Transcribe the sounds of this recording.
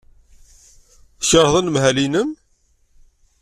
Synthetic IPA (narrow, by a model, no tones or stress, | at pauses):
çəɾˤðˤənmhælinəm